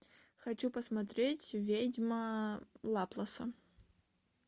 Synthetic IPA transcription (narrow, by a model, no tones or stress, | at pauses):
xɐt͡ɕupəsmɐt̪ɾʲetʲvʲedʲmɐlˠaplˠɐsɐ